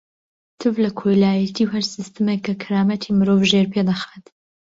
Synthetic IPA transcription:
t̪ʰɨvlɐkʰojlaːjɐt̪ʰiːwhɐɾsist̪ɨmekːɐkʰɨɾaːmɐt̪ʰimɨɾovʒeɾpʰeːd̪ɐxaːt̪

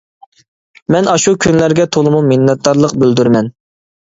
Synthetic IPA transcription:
mɛnɑʃukʲynlæɾɡʲɛt̪ʰolˠɨmumɪnːɛt̪̚d̪ɑɾlˠəqbøld̪yɾmɛn

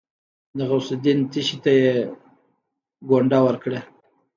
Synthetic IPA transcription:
d̪əɣaʊsed̪int̪iʃit̪aje | ɡoɳɖawəɾkɽe

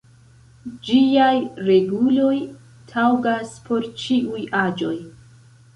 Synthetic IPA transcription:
d͡ʒiajɾe̞ɡulo̞j | tʰawɡaspʰo̞ɾt͡ʃiujad͡ʒo̞j

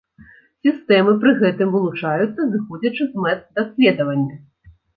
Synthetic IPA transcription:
sʲist̪ɛmɨpɾɨɣɛt̪ɨmvɨlˠut͡ʂajut̪sːɐzɨxɔd͡zʲɐt͡ʂɨzmɛt̪d̪asʲlʲed̪ɐvɐnʲːɐ

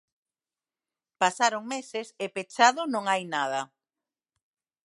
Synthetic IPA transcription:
pasaɾoŋmesesepet͡ʃaðʊnõŋajnað̞ɐ

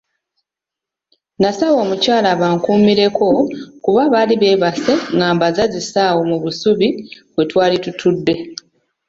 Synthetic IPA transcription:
nasawo̞ːmucaːlaβaːŋkuːmiɾe̞ko̞kuβaβaːliβe̞ːβase̞ŋɡaːmbazazisaːwo̞muβusuβiβwe̞twaːlitutʰudːe̞

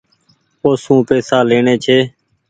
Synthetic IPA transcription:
oːsũːpeːsaːleːɳeːt͡ʃʰeː

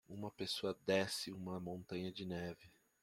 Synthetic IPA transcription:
ũmɐpesoɐd̪ɛsɪũmɐmõnt̪ɐ̃ɲɐd͡ʒɪnɛvɪ

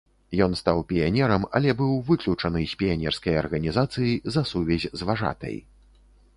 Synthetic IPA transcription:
jɔnst̪awpʲijanʲɛɾɐmɐ̰lʲɛbɨwvɨklʲut͡ʂɐnɨsʲpʲijanʲɛrskɐjɐ̰rɣɐnʲizat̪sɨjizɐsuvʲɛzʲzvaʐa̰t̪ɐ̰j

